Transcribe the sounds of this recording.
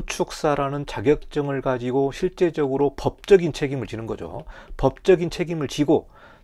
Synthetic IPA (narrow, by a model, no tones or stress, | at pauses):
ut͡ɕʰuk̚s͈aɾanɯnt͡ɕaɡjʌk̚t͡ɕ͈ʌŋɯɭkad͡ʑiɡoɕʰiɭt͡ɕ͈e̞d͡ʑʌɡɯɾopʌp̚t͡ɕ͈ʌɡint͡ɕʰe̞ɡimɯɭt͡ɕinɯnɡʌd͡ʑo̰pʌp̚t͡ɕ͈ʌɡint͡ɕʰe̞ɡimɯɭt͡ɕiɡo